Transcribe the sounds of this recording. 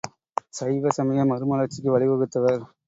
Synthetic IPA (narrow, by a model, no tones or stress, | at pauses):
sɐɪʋɐsɐmɐjɐmɐɾɯmɐlɐɾt͡ʃːɪkːɯʋɐɭɪkɐɣɯt̪ːɐʋɐɾ